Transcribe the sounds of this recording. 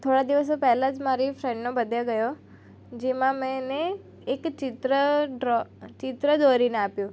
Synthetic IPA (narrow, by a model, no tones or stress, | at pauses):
t̪ʰoɽad̪iʋəs̬opɛɦlãd͡ʒmaɾifɾɛ̃ɳɖnobəd̪ʱjaɡəjo | d͡ʒemãmɛ̃neː | kt͡ʃɪt̪ɾəɖɾt͡ʃɪt̪ɾəd̪oɾineapjũ